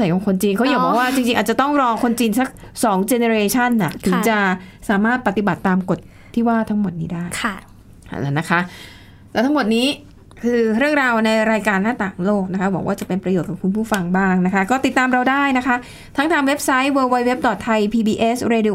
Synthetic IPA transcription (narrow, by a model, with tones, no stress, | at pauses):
sa˨˩jkɔ˧ŋkʰo˧nt͡ɕiː˧nkʰa˦˥wjaː˨˦bɔː˨˩k̚waː˥˩t͡ɕi˧ŋt͡ɕi˧ŋaː˨˩t̪̚t͡ɕa˨˩t̪ɔ˥˩ŋɾɔː˧kʰo˧nt͡ɕiː˧nsa˦˥k̚ | sɔː˩˦ŋt͡ɕe˧ne˧ɾeː˧t͡ɕʰa˥˩nːa˨˩t̪ʰɯ˩˦ŋt͡ɕa˨˩saː˨˩˦maː˥˩t̪̚pa˨˩t̪i˨˩ba˨˩t̪ːaː˧mko˨˩t̪̚ʰːiː˥˩waː˥˩t̪ʰa˦˥ŋmo˨˩t̪̚niː˦˥daː˥˩jʰ | a̰˨˩lɛ̰˦˧na˦˥kʰa˦˥ʔ | lɛ˦˥t̪ʰa˦˥ŋmo˨˩t̪̚niː˦˥ | kʰɯː˧ɾɯ˥˩əŋɾaː˧wna˧jɾaː˧jkaː˧nːaː˥˩t̪aː˨˩ŋloː˥˩k̚na˦˥kʰa˦˥wɔː˩˦ŋwaː˥˩t͡ɕa˨˩pe˧npɾa˧joː˨˩t̪̚kʰɔː˨˩ku˧npʰuː˥˩fa˧ŋbaː˥˩ŋna˦˥kʰa˦˥kɔː˥˩t̪i˨˩t̪ːaː˧mɾa˧wdaː˥˩jna˦˥kʰa˦˥ʔ | t̪ʰa˦˥ŋt̪ʰaː˧ŋwe˦˥p̚sa˦˥jwəː˧waː˧jwe˦˥p̚dɔ˨˩t̪ʰːa˧jpʰiː˧biː˧ʔe˦˥sɾe˧di˧˨